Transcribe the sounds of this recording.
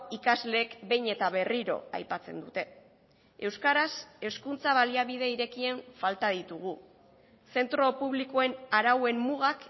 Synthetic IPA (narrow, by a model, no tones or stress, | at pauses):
ikazle̞ːkbe̞jɲe̞t̪aβ̞e̞riɾo̞̰a̰jpat͡se̞̰nd̪ut̪e̞ | e̞wskaɾase̞skunt͡saβ̞aliaβiðe̞iɾe̞kie̞ɱfalt̪aðit̪uɣ̞u | se̞nt̪ɾo̞puβlikoe̞naɾawe̞mmuɣak